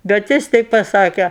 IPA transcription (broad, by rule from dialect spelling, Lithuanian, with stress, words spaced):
bʲɛt ˈjɪs ˈtʲɛɪp pɐˈsɑːkʲɛ